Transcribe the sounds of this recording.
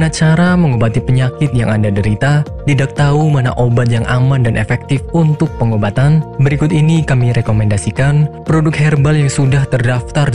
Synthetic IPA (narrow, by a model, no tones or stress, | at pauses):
nat͡ʃaɾaməŋobat̪ipəɲakɪt̪̚ja̰ŋandadəɾit̪a | tidak̚t̪aumana̰ʔobat̪̬̚jaŋʔamandanʔḛfɛk̚t̪ɪfunt̪ʊk̚pəŋobat̪anbəɾikʊt̪inikamiɾekomɛndasikanpɾodʊk̚hɛrbaljaŋsudaht̪ərdaft̪ar